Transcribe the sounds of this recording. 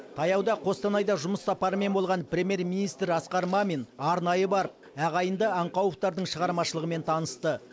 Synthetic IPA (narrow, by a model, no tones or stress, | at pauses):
t̪ʰɑjɑwd̪ɑqʰo̞st̪ɑnɑjd̪ɑʒʊməsːɑpɑɾəme̞nbo̞lˠʁɑnpɾʲe̞mʲje̞rmʲinijst̪ɾɑsqɑɾmɑmenɑɾnɑjəbɑɾəp | æʁɑjənd̪əɑɴqɑwəqt̪ɑɾd̪əɴʃəʁɑɾmɑʃəlˠəʁəme̞nt̪ʰɑnəst̪ə